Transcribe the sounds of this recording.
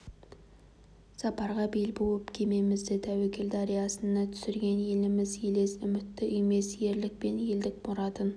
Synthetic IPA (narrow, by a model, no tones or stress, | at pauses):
sɑpɑɾʁɑbelbolˠəpkʲʰeme̞mɪzd̪ɪt̪ʰæwekʲeld̪ɑɾijɑsənːɑt̪ʰʏ̥sɪɾɡʲe̞nje̞lɪmɪzjele̞sʏmɪt̪ːɪʔime̞sje̞ɾlɪk̚pe̞nje̞ld̪ɪk̚boɾɑt̪ən